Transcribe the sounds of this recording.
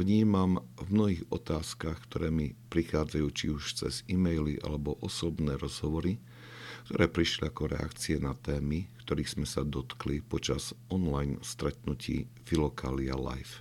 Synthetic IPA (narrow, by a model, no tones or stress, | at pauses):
ʋɲiːmamvmnɔɦiːɣɔ̰t̪aːskaxkt̪ɔɾɛːmipɾixaːd͡zajuːt͡ʃiuʃt͡sɛz̥imɛjliʔa̰lɛbɔʔɔsɔbnɛːɾɔz̥ɦɔʋɔɾi | kt̪ɔɾɛːpɾiʃliakɔɾɛ̰a̰kt͡siɛnat̪ɛːmikt̪ɔɾiːɣz̥mɛsad̪ɔt̪klipɔt͡ʃaz̥ɔnlajnst̪ɾɛt̪̚nucḭː | vilɔkʰaːliala̰jf